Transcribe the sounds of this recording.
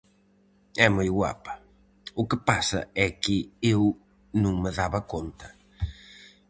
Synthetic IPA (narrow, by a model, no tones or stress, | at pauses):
ɛmojɣwa̰pɐ̥ | ʊkɪpasɐ̰ɛkɪew | nũŋmɪðaβɐkont̪ɐ̥